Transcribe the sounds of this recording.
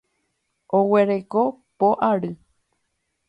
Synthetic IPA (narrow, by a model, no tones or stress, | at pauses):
owe̞ɾe̞kopoʔaɾɨ